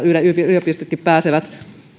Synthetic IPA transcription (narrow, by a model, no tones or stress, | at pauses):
yleypiyliopist̪ykːippæːseʋæt̪